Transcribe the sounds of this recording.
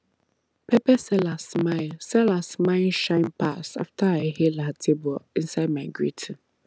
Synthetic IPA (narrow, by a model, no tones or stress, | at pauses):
pʰɛpɛsɛlasmaɪlsɛlasmãɪlʃãɪ̃npʰasa̰ftʰaahelatʰebɔĩnsaɪd̚maɪɡɹitʰi